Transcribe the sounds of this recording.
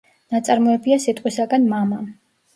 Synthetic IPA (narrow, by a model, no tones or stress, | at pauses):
nat̪sʼaɾmɔɛbiasit̪ʼqʼwisaɡanmama